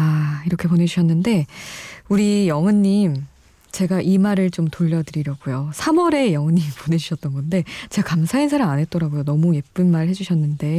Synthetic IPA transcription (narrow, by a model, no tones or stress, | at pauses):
aiɾʌkʰe̞pone̞d͡ʑuɕʰʌnːɯnde̞ | uɾijʌŋɯɲːim | t͡ɕe̞ɡaʔimaɾɯɭt͡ɕomtoʎːʌdɯɾiɾjʌɡujosʰamʌɾe̞jʌŋɯnɲːimpone̞d͡ʑuɕʰʌt͈ʌnɡʌnde̞t͡ɕeɡakamsʰainsʰaɾamanɦe̞t̚t͈ʌɾaɡojonʌmuje̞p̚p͈ɯnmaɾɯɭhe̞d͡ʑuɕʰʌnːɯnde̞